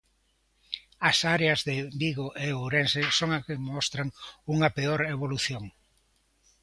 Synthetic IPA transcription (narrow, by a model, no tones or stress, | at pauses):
ɐsaɾeɐzðembiɣoʔeoɾensesoŋakemɔst̪ɾɐŋuŋɐpeoɾeβoluθjoŋ